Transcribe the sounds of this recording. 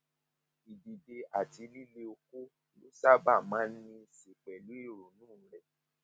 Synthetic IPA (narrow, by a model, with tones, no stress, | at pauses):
i˨di˨de˧a˨ti˧˦li˦le˧o˧ku˦ | lu˦sa˦ba˦˨mãː˨˦n̩˦nĩ˧se˨k͡pɛ˨lu˨˦i˦˨ɾo˨nũː˦˨˦ɾɛ˦˨